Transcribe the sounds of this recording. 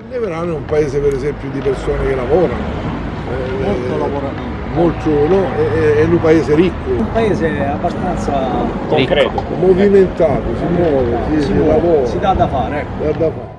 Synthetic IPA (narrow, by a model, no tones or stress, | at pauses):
leveɾanːɛumpaeːzepeɾezɛmpjud̪ipeɾsoːnekelavɔːɾano | ɛ | ot̪olavoɾami | molt̪ʊnɔɛɛnːumpaeːzeɾikːʊumpaeːzeabːast̪ant̪sa | kokɾɛt̪ʊmoviment̪aːt̪ʊsimːɔːvesisslavɔːɾsid̪ad̪ːafaːɾɛd̪ad̪ːafaːɾ